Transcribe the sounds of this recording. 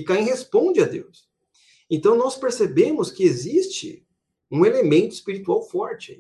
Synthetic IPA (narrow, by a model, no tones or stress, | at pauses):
ikaẽɦespõd͡ʒɪad̪ḛws | ẽnt̪ɐ̃w̃nɔspeɾsebẽmʊskɪezist͡ʃɪ̰ | ũelemẽnt̪ʊɪspiɾit̪uawfɔɾt͡ʃɪ